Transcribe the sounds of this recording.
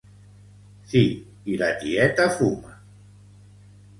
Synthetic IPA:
θi | ilatiɛt̪afuma

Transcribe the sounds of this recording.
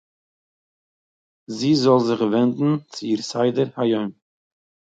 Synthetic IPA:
ziːzɔlˠzɪχvɛndn̩t͡sɪiːɾsaɪdəɾhajɔʏn

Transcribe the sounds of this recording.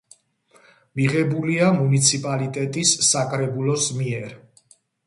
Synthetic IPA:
miʁɛbuliamunit̪sʰipʼalit̪ʼɛt̪ʼisːakʼɾɛbulɔsmiɛɾ

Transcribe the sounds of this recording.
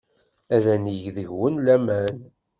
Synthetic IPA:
æðæniʝðəʝwənlæmæn

